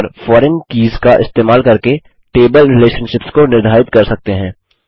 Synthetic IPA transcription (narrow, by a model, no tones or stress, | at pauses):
ɾfɔːɾɛnkiːzkaʔɪ̰st̪eːmaːlkɐɾke | ʈeːbəlɾɪleːʃənʃɪpskonɪɾd̪ʱaːɪt̪kɐɾsɐk̚t̪eɦɛ̃ː